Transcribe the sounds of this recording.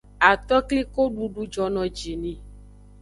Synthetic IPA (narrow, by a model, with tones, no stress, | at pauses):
a˨t̪ɔ˦kli˦ko˦ɖu˨ɖu˦d͡ʒɔ˨nɔ̃˨d͡ʒi˨nĩ˨